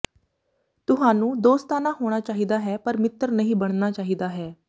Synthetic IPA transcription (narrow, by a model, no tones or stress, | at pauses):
t̪ʊɦaːnũːd̪oːst̪aːnaːɦoːɽ̃aːt͡ʃaːɦiːd̪aːɦɛːpəɾmɪt̪ːəɾnəɦĩːbəɽ̃naːt͡ʃaːɦiːd̪aːɦɛː